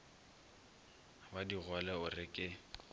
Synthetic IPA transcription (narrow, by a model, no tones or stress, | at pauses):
badiɣwalɛʊrɪkʼɪ